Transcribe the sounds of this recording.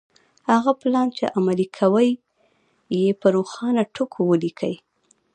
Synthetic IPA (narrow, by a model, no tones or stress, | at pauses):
haɣaplɑnt͡ʃḛʔamalikʰawəjː | epəɾoxɑnaʈʰokʰowəlikʰə̰j